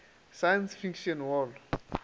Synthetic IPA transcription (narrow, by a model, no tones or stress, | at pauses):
sajansfikʃɔnwɔl